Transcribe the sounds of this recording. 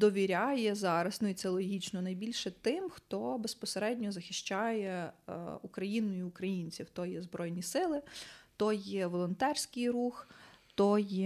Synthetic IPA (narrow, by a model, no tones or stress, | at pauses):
d̪ɔʋʲiɾʲajɛzɑɾɐsnɔit̪sɛlˠɔɦʲit͡ʃnɔnɐjbʲilʲʃɛt̪ɪmxt̪ɔbespɔseɾɛdʲnʲɔzɐxʲɪʃt͡ʃɑjɛ | ukɾɐjinʊjʊːkɾɐjinʲt͡sʲiwt̪ɔjɛzbɾɔjnʲisɪlˠɪt̪ɔjɛʋɔlˠɔnt̪ɛrsʲkɪjɾuxt̪ɔjɛ